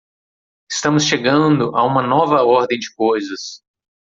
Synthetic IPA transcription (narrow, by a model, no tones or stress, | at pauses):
ɪ̥st̪ɐ̃mʊsʃeɡɐ̃d̪ʊʔaũmɐnɔvɐɔɾd̪ẽj̃d͡ʒɪkojzɐs